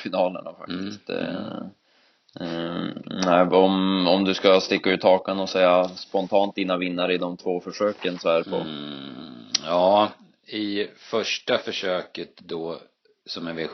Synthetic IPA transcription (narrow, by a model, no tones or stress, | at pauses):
fɪnɑːlə̰ɳa̰fa̰k̚t̪ɪst̪ | næɪɔmɔmd̪ɵskast̪ɪkːaʉ̟ːt̪ʰɑːkənɔsɛjːaspɔnt̪ʰɑːnt̪̚d̪iːnavɪnːaɾɪd̪ɔmt̪ʰvoːfœʂøːkənsɔæɾpʰɔ̰ | jɑː | ɪfœʂʈafœʂøːkət̪d̪ɔ | sɔmɛvɪ